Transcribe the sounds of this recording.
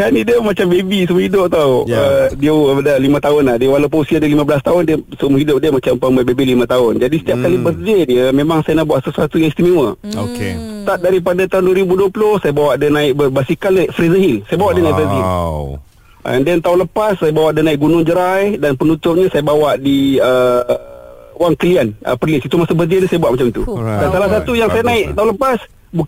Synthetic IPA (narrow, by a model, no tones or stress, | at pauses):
kanidiəmat͡ʃambebisumuhɦidʊp̚t̪awədiədəlimə̃t̪aʊnlahdiəwalawpəusiadəlimãbəlast̪aʊndiəsumuɦidʊp̚diəmat͡ʃampəməbebilimə̃t̪aʊnd͡ʒadisə̥t̪iap̚kalibəsd͡ʒədiəmemaŋsajanahbuaʔsəsuat̪ujãŋst̪imewəokest̪at̪̚daɾipadat̪aɦʊnduəɾibuduəplʊhsajabawaʔdənaɪk̚bəbasikalnaʔfɾezəɦilsajabawaʔdiənajʔfɾezɦil | ə̰ndɛnt̪aɦʊnləpasːajabawaʔdənaɪʔk̚ɡunʊŋd͡ʒəɾajdanpənut̪ʊp̚ɲasajabawaʔdiə | waŋkəlianə̰pərlɪsit̪umasubəzedəsajabuaʔ̚mat͡ʃamt̪udansalahsat̪ujaŋsajanaɪʔt̪aɦʊnləpas | bu